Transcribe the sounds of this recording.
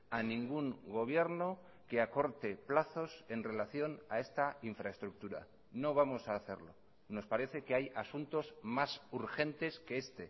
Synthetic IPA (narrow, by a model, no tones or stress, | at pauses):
anĩŋɡuŋɡo̞β̞je̞ɾno̞ | ke̞ako̞ɾt̪e̞plaθo̞se̞nre̞laθjo̞nae̞st̪aiɱfɾaest̪ɾuk̚t̪uɾa̰ | no̞β̞amo̞saːθe̞̰ɾlo̞̰ | no̞spaɾe̞θe̞keajasunt̪o̞zmasuɾxe̞nt̪e̞ske̞est̪e̞